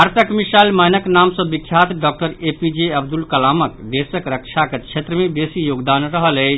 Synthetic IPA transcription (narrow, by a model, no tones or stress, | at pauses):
aɾt̪ʰəkmisajlmənəknamsəbikʰːjat̪ɖɔk̚ʈəɾepid͡ʒeəbd̪ulkɐlamək̪d̪esəkɾəkt͡ʃʰaket͡ʃʰet̪ɾəmebesijoɡd̪anɾəɦəlɛt͡ʃʰ